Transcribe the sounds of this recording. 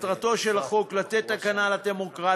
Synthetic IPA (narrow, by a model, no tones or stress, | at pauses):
t̪ʁat̪o̞ʃe̞laχo̞klat̪et̪ːakanalademo̞kʁa